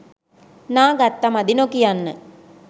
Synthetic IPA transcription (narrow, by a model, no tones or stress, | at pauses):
nãːɡɐt̪ːɐmɐd̪inokːijɐnːɐ̰